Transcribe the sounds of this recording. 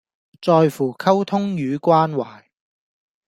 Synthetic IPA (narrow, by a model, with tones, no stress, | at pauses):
t͡sɔː˧jfuː˨˩kʰɐ˥wt̪ʰʊ˥ŋjyː˨˧kʷwaː˥nwaː˨˩j